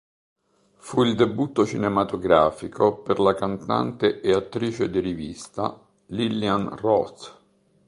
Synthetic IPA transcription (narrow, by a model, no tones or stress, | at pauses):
fuild̪ebut̪ːot͡ʃinemat̪oɡɾaːfikoperlakant̪a̰nt̪eʔeat̪ːɾiːt͡ʃed̪irivist̪a̰ | lilianrɔt̪